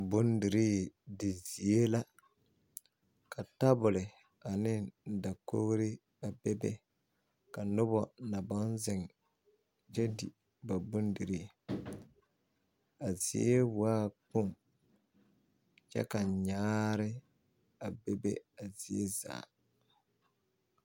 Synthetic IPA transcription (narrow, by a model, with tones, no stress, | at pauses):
bʊ˦ndi˨ɾiː˦dɪ˨zi˨e˦la˦ | ka˨ta˦bʊ˨lɪ˨ | a˨nɪ˦nda˨ko̰˦ɣɾɪ˦ | a˨bɛ˦bɛ̰˦ | ka˨nʊ˦bɔ˦na˨bɔ˦nzɪ˨ŋ | t͡ʃɛ˦di˨ | ba˨bʊ˦ndi˨ɾi˦˨ | a˨zḭ˨e˦waː˦k͡pʊ˦˨ŋ | t͡ʃɛ̰˦ka˨ɲaː˦ɾɪ˦ | a˨be˦bḛ˦a˨zi˨e˦za̰ː˨